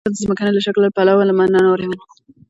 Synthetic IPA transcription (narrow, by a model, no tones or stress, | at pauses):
ad̪əzməkanelaʃaklːapalawalamananawɾewana